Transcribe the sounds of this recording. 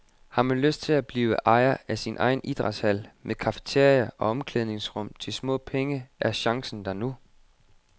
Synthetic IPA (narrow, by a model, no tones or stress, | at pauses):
hɑ̈mænløsd̥̚t͡sʰe̝læb̥liːʊəʔɑ̈ɪɐæsinʔɑ̈ɪn̩ʔid̥ʁɑ̥̈shæl̰mʔekʰɑ̈fə̥t͡sʰe̝ɐ̰jɐʔɒ̽ɒ̽mkʰleðˠne̝ŋsʁɔ̽m̰t͡sʰe̝lsmɔ̰̽ːpʰeŋəʔæɐɕɑ̈ŋsn̩d̥æɐnu